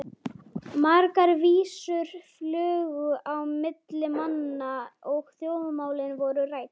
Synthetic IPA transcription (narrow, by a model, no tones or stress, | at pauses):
maɾkaɾviːsʏɾ̥flœːɣʏʔawmɪt̪lɪmanːaɔɣθjoːwmʏmaːwlɪnvɔɾʏraːjt̪